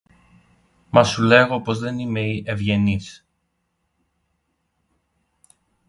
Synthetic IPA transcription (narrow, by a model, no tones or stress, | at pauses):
mɐsule̞ɣo̞pozðe̞nime̞iʔevʝe̞nis